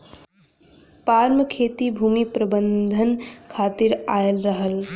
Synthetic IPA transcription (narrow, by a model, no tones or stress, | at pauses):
paɾməkʰet̪ibʱuːmipɾəbənd̪ʱənkʰat̪iɾaelɾəɦəl